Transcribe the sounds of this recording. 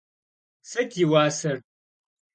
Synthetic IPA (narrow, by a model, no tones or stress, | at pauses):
sɐtʰiwaːsɐr